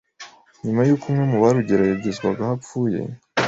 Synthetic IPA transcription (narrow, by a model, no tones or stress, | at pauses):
ɲumajuːkʰumŋemuβaɾuɟeɾajaɡezɡwaɡahap͡fuːje̞̰